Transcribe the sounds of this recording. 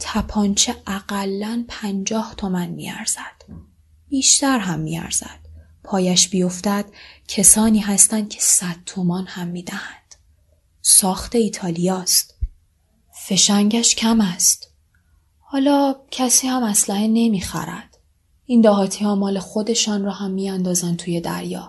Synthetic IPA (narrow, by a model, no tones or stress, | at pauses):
t̪ʰæpʰɒnt͡ʃʰeʔæɡælːænpʰænd͡ʒɒːht̪ʰo̞mænmḭːæ̰ɾz̥æd̪̥ | b̥iːʃt̪æɾɦæmːḭæ̰ɾz̥æ̰d̪̥ | pʰɒːjæʃbijo̞ft̪æd̪̥cʰesɒːniːɦæst̪ænd̪̥̚cʰe̞̥sæd̪̥̚t̪ʰomɒːnhæmːiːd̪æhænd̪̥ | sɒːxt̪ʰe̞iːt̪ʰɒːlijɒːst̪ | fe̞ʃæɲɟæʃcʰæmæst̪ | hɒːlɒːcʰæsiːhæmæslæhene̞miːxæ̰ɾæ̰d̪̥ | ʔind̪ɒːɦɒːt̪ʰiːhɒːmɒːle̞xo̞d̪e̞ʃɒːnrɒːhæmːiænd̪ɒːzænd̪̚t̪ʰuːje̞d̪æ̰ɾjɒ̰ː